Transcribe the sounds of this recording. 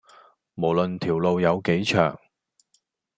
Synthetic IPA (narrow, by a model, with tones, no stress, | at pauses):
mo˨˩wlɵ˨nt̪ʰiː˨˩wlo˧wjɐ˨˧wke˨˥jt͡ʃʰœː˨˩ŋ